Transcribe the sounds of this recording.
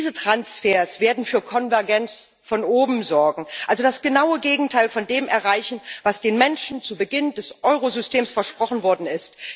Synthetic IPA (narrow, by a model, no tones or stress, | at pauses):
zətʁ̥ansfeːɐsv̥eːɐdn̩fyːɐkʰɔnvɛɐɡɛnt͡s | fɔnoːbm̩zɔɐɡŋ̩ʔalzodasɡ̥ənaʊəɡeːɡŋ̩tʰaɪlfɔndeːmʔɛɐʁaɪçn̩vasd̥eːnmɛnʃn̩t͡subəɡɪndɛsʔɔʏʁozʏstʰeːmsfɛɐʃpʁ̥ɔχn̩vɔɐdn̩ɪst